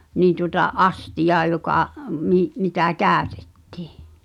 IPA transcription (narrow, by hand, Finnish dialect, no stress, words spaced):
niːn̞ tuŏtɑ ʔɑstijɑː jokɑˑ mi mitæ kæˑøte̥tːi̥ˑ